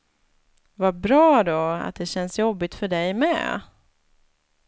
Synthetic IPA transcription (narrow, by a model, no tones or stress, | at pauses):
vabɾɑːd̪ɔa̰t̪̚d̪ɛɕɛnsjɔbːɪt̪fœɖɛjmɛ̰